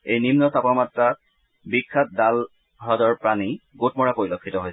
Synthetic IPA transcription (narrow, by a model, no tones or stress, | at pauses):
ejnimnɔsapamatɹa | bikʰːat̚dal | ɦɔdɔɹpɹaniɡot̚mɔɹapoɹilokʰːitɔɦoj